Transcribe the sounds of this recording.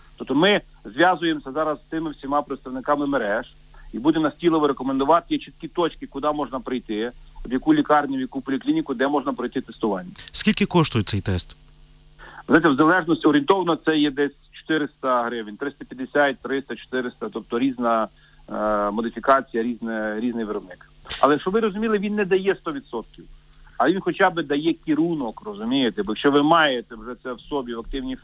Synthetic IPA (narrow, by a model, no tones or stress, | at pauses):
t̪ɔpt̪ɔmɪ | zʋʲjɑzʊjemsʲɐzɑɾɐsːt̪ɪmɪwsʲimɑpɾɪt̪st̪ɐʋnɪkɑmɪmeɾɛʒ | ibud̪emnɐsʲtʲilˠɔʋɔɾekɔmend̪ʊʋɑt̪ɪjɛt͡ʃit̪kʲit̪ɔt͡ʃkɪkʊd̪ɑmɔʒnɐpɾɪjt̪ɪɔb̪jɐkulʲikɑrnʲʊbʲjɐkupɔlʲiklʲinʲɪkʊd̪ɛmɔʒnɐpɾɔjt̪ɪt̪est̪ʊʋɑnʲːɐskʲilʲkɪkɔʃt̪ʊjʊt̪sɛjt̪ɛst̪ | zajt̪ʲɛwzɐlˠɛʒnɔsʲtʲɔɾʲɪnt̪ɔʋnɔt̪sɛjɛd̪ɛsʲt͡ʃɔ̥t̪ɪɾɪst̪ɐɦɾɪʋɪnʲt̪ɾɪst̪ɐpʲjɐd̪ːesʲat̚ʲt̪ːɾɪst̪ɐt͡ʃɔ̥t̪ɪɾɪst̪ɐt̪ɔp̚t̪ɔɾʲiznɐ | mɔd̪ɪfʲikɑt͡sʲijɐɾʲiznɛɾʲiznɪjʋeɾɔbnɪk | ɐ̰lˠɛʃɔʋɪɾɔzʊmʲilˠɪʋʲinːɛd̪ɐjɛst̪ɔʋʲid̪sɔt̪̚kʲiw | ɐʋinxɔt͡ʃabɪd̪ɐjɛkʲiɾunɔkrɔzʊmʲijet̪ɛbjɐkʃt͡ʃɔʋɪmɑjet̪ɛwʒɛt̪sɛwsɔbʲiʋɐk̚t̪ɪwnʲi